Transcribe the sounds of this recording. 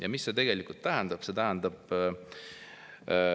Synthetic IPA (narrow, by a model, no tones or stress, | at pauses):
jɑmisse̞t̪e̞ɡ̥e̞likult̪t̪ːæɦænd̪ɑb̥se̞t̪æɦænd̪ɑb̥